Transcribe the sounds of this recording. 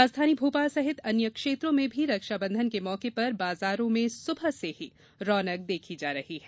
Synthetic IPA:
aːd͡ʒd̪ʰʱaːnibʱuːpaːsɐɦɪt̪ɐnjəkʃeːt̪ɾõmẽbʱiɾɐkʃabɐ̃nd̪ʱənkemɔːkepɐɾbaːzaːɾõmẽsʊbʱəɦseɦi | ɾɔːnək̚d̪eːkʰid͡ʒaːɾɐhiɦɛː

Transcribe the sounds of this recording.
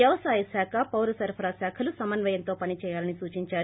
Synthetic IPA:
jɐʋɐsaːjisaːkʰapɐwɾɐsɐɾpʰɐɾasaːkʰɐlusɐmɐnʋɐjɐnt̪oːpɐnit͡ʃɛːjaːlɐnisuːt͡ʃiɲt͡ʃaːɾ

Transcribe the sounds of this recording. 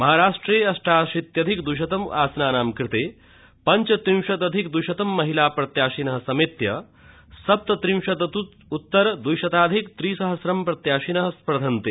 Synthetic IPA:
mɐɦaːɾaːʂʈɾeːɐsʈʰaːʃit̪jɐd̪ʱikd̪uʃɐt̪ɐma̰ːsnaːnaːmkɾɪt̪eː | pɐɲt͡ʃɐt̪ɾiwʃɐt̪ɐd̪ʱikd̪ujʃɐt̪ɐmːɐɦilaːpɾɐt̪jaːʃinɐɦɐsɐmit̪jɐ | sɐp̚t̪ɐt̪ɾiwʃɐt̪ɐt̪u | ut̪ːɐɾd̪ujʃɐt̪aːd̪ʱikt̪ɾiːsɐɦɐsɾɐmpɾɐt̪jaːʃinɐɦɐspɾɐd̪ʱɐnt̪eː

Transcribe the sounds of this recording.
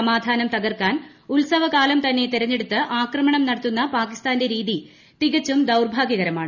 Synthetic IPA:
ɐmaːd̪ʱaːnɐmt̪ɐɣɐrkaːn | ulsɐʋɐkaːlɐmt̪ɐnːe̞t̪iɾɐɲːe̞ɽut̪ːɨʔaːkrɐmɐɳɐmnɐɽɐt̪ːunːɐpaːkist̪aːnde̞ɾiːði | t̪iɣɐt͡ɕːumd̪ɐwrbʱaːɡjɐɣɐɾɐmaːɳɨ

